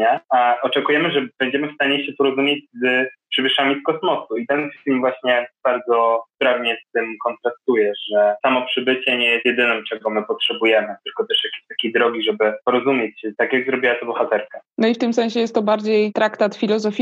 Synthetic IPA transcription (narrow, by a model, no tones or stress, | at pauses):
aaʔɔt͡ʂɛkujɛmɘʐɛbɛɲd͡ʑɛmɘfst̪aɲɛɕɛpɔɾɔzumʲjed͡ʑzpʂɘbɘʂamʲiskɔsmɔsuit̪ɛnfʲilmvwaɕɲɛb̥aɾd̪zɔspɾavɲɛst̪ɘmkɔnt̪ɾast̪ujɛʐɛsamɔpʂɘbɘt͡ɕɛɲɛjɛst̪jɛd̪ɘnɔmt͡ʂɛɡɡɔmɘpɔtʂɛbujɛmɘt̪ɘlkɔt̪ɛʂjakʲeɕt̪ḁkʲejd̪ɾɔɡʲiʐɛbɘpɔɾɔzumʲjet͡ɕt̪akʲjaɡzɾɔbʲiwat̪ɔbɔxat̪ɛɾkanɔift̪ɘmsɛñɲɕɛjɛst̪ːɔbaɾd͡ʑejt̪ɾakt̪at̪fʲilɔzɔfʲ